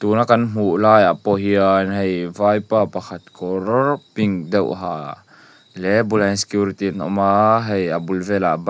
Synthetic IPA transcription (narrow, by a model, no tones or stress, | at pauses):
t̪unakɐnm̥uʔlaːjapɔɦiəɛnɦejvajpapaxʰat̪̚kɔɾɔrpiŋdɛwʔɦaː | lɛbulajnsɛ̥kjuɾit̪inɔ̰maɦejabulvɛla̰b